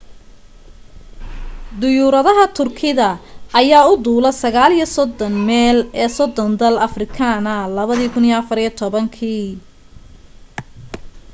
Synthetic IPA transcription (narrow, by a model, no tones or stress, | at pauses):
d̪ʊjuːɾɐðɐɦɐt̪ʰʊrkʰɪðɐɐjaːʊd̪uːlɐsɐɣaːlijɐsɔd̪ɔnmɛːlɛːsɔd̪ɔnd̪ɐlɐfrɪkʰɐnɐlɐβɐðiːkʰʊnijɐfɐɾijɔt̪ʰɔβɐŋkʰiː